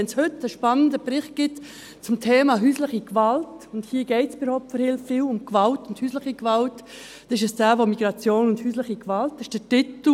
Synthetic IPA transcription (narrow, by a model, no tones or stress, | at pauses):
ɛnshʏtəʃpanəndəbɾɪχt̚ɡ̥ɪt | t͡sʊmtʰeːmɑːɦyːslɪχikvalt | ʊndhiːɡ̥ɛɪtsybəɾhɔʊp̚tfəɾhɪlfɪlʊmkvaltʊnthyːslɪχikvalt | d̥ɛɪʃəsd̥aːvomiɡ̥ɾɑt͡sjoːnʊnd̥hyːslɪχikvaltːɪʃd̥ətɪtl̩